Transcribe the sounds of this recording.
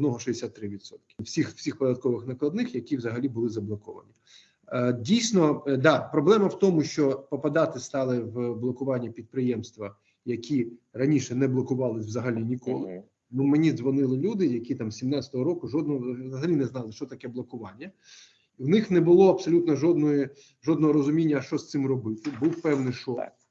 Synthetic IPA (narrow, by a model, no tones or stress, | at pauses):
d̪nɔɦɔʃd̪esʲat̪ːɾɪʋʲid̪sɔt̪kʲɪ̥wsʲixwsʲixpɔd̪ɐt̪̚kɔʋɪxnɐklˠɐd̪nɪxjɐkʲiwzɐɦɐlʲibʊlˠɪzɐblˠɔkɔʋɐ̰nʲi | dʲijsʲnɔd̪ɑpɾɔblˠɛmɐwt̪ɔmʊʃt͡ʃɔpɔpɐd̪ɑt̪ɪst̪ɑlˠɪwblˠɔkʊʋɑnʲːɐpʲid̪̚pɾɪjɛmst̪ʋɐ | jɐkʲirɐnʲiʃɛnɛblˠɔkʊʋɑlˠɪsʲʋzɐɦɐlʲinʲikɔlˠɪ | numenʲizʋɔnɪlˠɪlʲud̪ɪjɐkʲit̪ɑmsʲimnɑt͡sʲɐ̥t̪ɔɦɔɾɔkʊʒɔd̪nɔɦɔzɐɦɐlʲinɛznɑlˠɪʃt͡ʃɔt̪ɐkɛblˠɔkʊʋɑnʲːɐ | wnɪxnɛbʊlˠɔɐpsɔlʲut̪nɔʒɔd̪nɔji | ʒɔd̪nɔɦɔɾɔzʊmʲinʲːɐːʃt͡ʃɔst̪sɪmrɔbɪt̪ɪbuwpɛwnɪʃɔk